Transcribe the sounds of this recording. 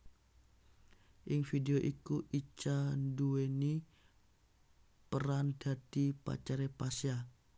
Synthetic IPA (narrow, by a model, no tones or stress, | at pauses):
ʔɪŋfideoʔikuʔit͡ʃandueni | pəɾand̥adipa̰t͡ʃaɾepasia